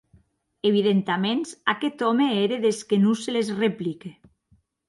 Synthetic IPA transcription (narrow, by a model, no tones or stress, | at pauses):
eβiðent̪amensaket̪ɔmeeɾeðeskenuselezreplike